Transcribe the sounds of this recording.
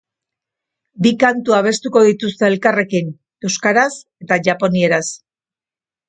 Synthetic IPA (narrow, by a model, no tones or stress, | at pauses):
bikant̪uaβ̞e̞st̪uko̞ðit̪ust̪eːlkare̞kin | e̞wskaɾase̞t̪aʝapo̞nie̞ɾas